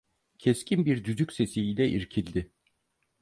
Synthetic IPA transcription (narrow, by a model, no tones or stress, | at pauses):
cʰɛscʰinbiɾd̪yd̪ycse̞siilʲɛʔiɾcʰilʲd̪ɪ